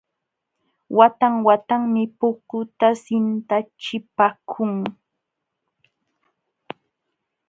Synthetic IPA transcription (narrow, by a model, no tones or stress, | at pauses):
wat̪aŋwat̪aŋmɪpʊkʊt̪asɪnt̪at͡ʃɪpakʰʊŋ